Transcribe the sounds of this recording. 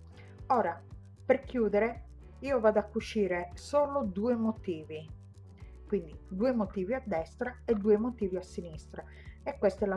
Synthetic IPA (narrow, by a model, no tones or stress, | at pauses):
oːɾa | perkjuːd̪eɾe | iːovaːd̪oakːut͡ʃːiːɾesoːlod̪uːemot̪iːvi | kwind̪id̪uːemot̪iːviad̪ːɛst̪ɾaed̪ːuːemot̪iːviasːinist̪ɾa | ekːwest̪ɛla